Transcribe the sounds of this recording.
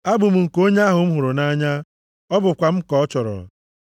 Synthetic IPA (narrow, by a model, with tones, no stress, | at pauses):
a˦bʊ˨m̩˨ŋ̩˨ko˦ɲe˦a˦ɦʊ˨m̩˦ɦʊ˨ɾʊ˨na˦ɲa˦ | ɔ˦bʊ˨kʷa˨m̩˦kɔ˦ɔ˦t͡ʃɔ˨ɾɔ̰˨